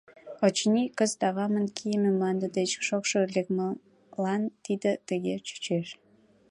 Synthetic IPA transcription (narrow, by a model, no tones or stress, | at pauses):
ot͡ɕnikəzt̪ɑɣɑmənkʰijəmemlɑnd̪əd̪et͡ɕʃokʃolek̚mə | lɑnt̪id̪ət̪əɣet͡ɕy̥t͡ɕeʃ